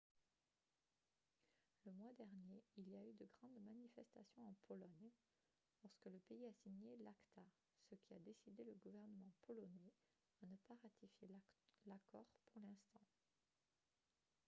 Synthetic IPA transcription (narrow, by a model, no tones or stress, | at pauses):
ləmwad̪ɛʁnjeiliayd̪əɡʁɑ̃d̪manifɛst̪asjɔ̃ɑ̃pʰɔlɔɲ | lɔʁskələpeiasiɲelakt̪a | səkʲʰiad̪esid̪eləɡuvɛʁnəmɑ̃pɔlɔnɛ | anəpaʁat̪ʰifjelakɔʁpuʁlɛ̃st̪ɑ̃